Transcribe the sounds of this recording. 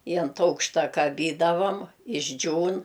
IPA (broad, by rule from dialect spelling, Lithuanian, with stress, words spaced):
ɪ ɐnt ˈɐʊkʃtɐ kɐˈbʲiːdɐʋɐm ɪʒʲˈd͡ʒʲuːn